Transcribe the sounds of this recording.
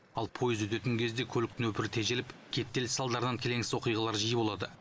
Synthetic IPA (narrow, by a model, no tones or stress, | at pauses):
ɑlˠpʰo̞jɪzwɵt̪e̞t̪ɪŋkʲʰe̞zd̪e̞kʲʰɵlɪk̚t̪ɪnwɵpɪɾɪt̪ʰe̞ʒelɪpkʲʰe̞p̚t̪elɪsɑlˠd̪ɑɾənɑŋkʲʰe̞le̞ŋsɪzwo̞qijʁɑlˠɑɾʒijəbo̞lˠɑd̪ə